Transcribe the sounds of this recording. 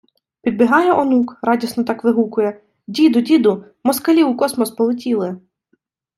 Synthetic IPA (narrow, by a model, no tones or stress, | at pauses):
pʲid̪̚bʲɪɦɑjɛʔɔnukɾɑdʲisnɔt̪ɑkʋɪɦukʊjɛ | dʲid̪ʊdʲid̪ʊ | mɔskɐlʲiwkɔsmɔspɔlˠɪtʲilˠɪ